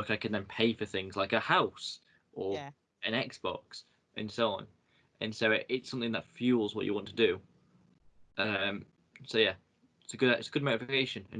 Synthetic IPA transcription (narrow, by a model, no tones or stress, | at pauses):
ʊkaɪkʰə̃nðə̃npʰeɪfəθɪ̃ŋzlaɪkəhaʊs | ʔə | ɨ̃nɛksb̥ɒ̰ks | ʔɨ̃nsoʊɒ̃n | ʔə̃nsoʊɪʔʔɪtsʌ̃mθɪ̃ŋðətfjʉːlˠzwɒ̰t͡ʃə̰wɒ̃ntʰədə | ʔʌʌ̃m | soʊjæ | ɪtsəɡʊdɪ̰tsəɡʊd̚moʊtɪfɪkʰeɪʃə̃nə̰̃n